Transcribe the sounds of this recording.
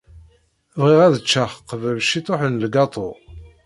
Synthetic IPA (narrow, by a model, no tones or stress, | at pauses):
vʁiʁæðət͡ʃːaχqːvælʃit̪ˤoħənlɡɑt̪ˤo̰